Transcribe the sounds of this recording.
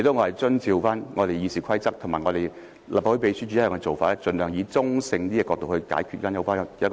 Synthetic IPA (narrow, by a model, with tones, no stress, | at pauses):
i˨˩to˧˥ŋɔ˨˧hɐ˨jt͡sɵ˥nt͡siː˧wfaː˥nŋɔː˨˧ɾe˨˩jiː˨˧siː˨kʰɐ˥jt͡sɐ˥k̚t̪ʰmaː˨jŋɔ˨˧ɾe˨j | la̰˨˩pfho˧˥pe˧jsyː˥t͡ʃyː˧˥jɛ˨ŋkɛ˧o˨˩wfaː˧˨ɛ˥t͡sɵ˨nlœː˨˩ŋjiː˨˧t͡sʊ˥ŋsɪ˧ŋt̪iː˥jɛː˨˧kɔ˧t̪o˨whɵ˧ɥkaː˨˥jkʰy˧faː˥njɐ˧wfaː˥˧ɐ˥k